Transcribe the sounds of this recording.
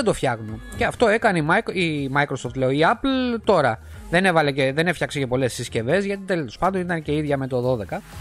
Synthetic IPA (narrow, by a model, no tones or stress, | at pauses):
d̪o̞fçɐɣmuceɐft̪o̞e̞kɐneimimɐjkɾosoft̪le̞oiɐplt̪o̞ɾɐ | ðe̞ne̞vɐle̞ceðe̞nefçɐksecepo̞le̞sisce̞ve̞zʝɐt̪it̪elospɐnd̪o̞nit̪ɐnce̞iðʝɐme̞t̪oðo̞ðe̞kɐ